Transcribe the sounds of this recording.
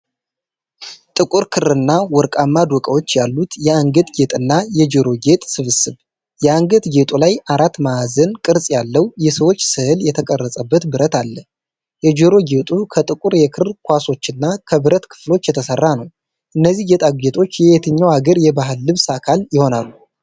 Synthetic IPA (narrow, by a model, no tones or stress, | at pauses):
t̪ʼɨkʼuɾkʰɨrɨnːawɔɾkʼamːad̪wɔkʼəwo̞t͡ʃːjalːut̪jɛaŋɡət̪ɡe̞t̪ʼɨnːajɛd͡ʒeɾo̞ɡet̪ʼsɨβɨsɨβ | jɛaŋɡət̪ɡe̞t̪ʼulajʔaɾat̪ːmaːzənkʼɨɾsʼjalːəwjɛsəwo̞t͡ʃːsɨhɨljɛt̪ʰəkʼərːəsʼəbːət̪bɨɾət̪alːə | jɛd͡ʒeɾo̞ɡe̞t̪ʼukʰət̪ʼɨkʼuɾjɛkʰɨkʰʷwaso̞t͡ʃːɨnːakʰəβɨɾət̪kʰɨ̥flo̞t͡ʃːjɛt̪ʰəsərːanəw | ʔɨnːəzːihɡet̪ʼaɡɡet̪ʰʼo̞t͡ʃːjɛet̪ʰɨɲːawaɡəɾjɛbaɦɨlːɨβsakʰaljɪho̞nalːu